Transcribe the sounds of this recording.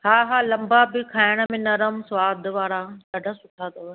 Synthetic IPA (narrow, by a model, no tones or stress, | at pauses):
haːɦaːlɐ̃mbabɪkʰaːɪɽ̃ə̆mẽnɐɾəmsʋaːd̪ʱʋaːɾakɐɖʱasʊʈʰat̪ɐʋə